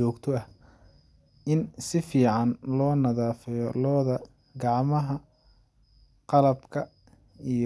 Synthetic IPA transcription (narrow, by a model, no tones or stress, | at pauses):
ɔːkt̪ʰɔɐh | ɪnsɪfiːʕɑnlɔːnɐðaːfɛjɔlɔːðɐ | ɡɑʕmɐɦɐ | qɑlɐbkʰɐ | ij